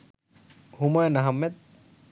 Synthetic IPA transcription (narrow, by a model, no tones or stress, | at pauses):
humajnɐɦɐmːet̪̚